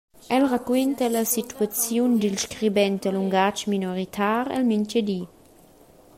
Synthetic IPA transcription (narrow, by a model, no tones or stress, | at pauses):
ʔɛlʁakwɛnt̪əlasit̪wat͡sjund̪ilʃkʁibɛnt̪əluŋɡat͡ʃminoʁit̪ʰaːɾɛ̰lmiɲt͡ʃəd̪i